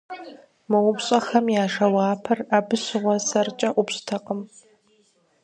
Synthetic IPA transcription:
mɨwʊbɕʼɐxɐmjaːʂɐwɑːpʰɐraːbɨɕɨʁʷɔsɐrt͡ʃʼɐʔʷʊpɕʼtʰɐqʼəm

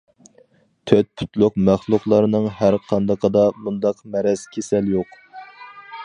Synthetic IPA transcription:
t̪ʰøt̪̚pʰu̥t̪lˠʊqmæχlˠʊqlˠɑɾnɨŋɦæɾqʰɑnd̪ɑqʰəd̪ɑmund̪ɑqmɛɾɛz̥kʲʰesɛljoq

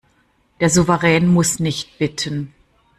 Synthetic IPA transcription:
d̥eːɐzuvəʁɛːnmʊsnɪçt̚b̥ɪtʰən

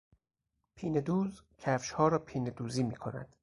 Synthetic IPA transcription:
pʰiːned̪uːzcʰæfʃhɒːɾɒːpʰiːned̪uːziːmiːkʰonæ̰d̪̥

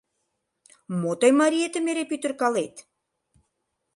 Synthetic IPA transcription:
mot̪ɑjmɑɾiet̪əmeɾepyt̪ə̆rkɑlet̪

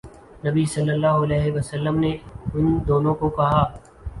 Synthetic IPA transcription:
nɐbisɐlːəlːaːɦʊɐlɛːɦeʋɐsəlːəmneʊnd̪oːnõkokɐɦaː

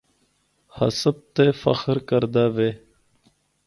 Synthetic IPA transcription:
hɐ̰səb̚t̪efɐ̰xɾkəɾd̪aveː

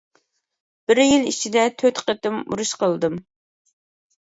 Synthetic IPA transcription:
b̥ɪɾjilˠḭt͡ʃʰid̪ɛt̪ʰøt̪qət̪ɨmṵɾuʃqəlˠd̪ɨm

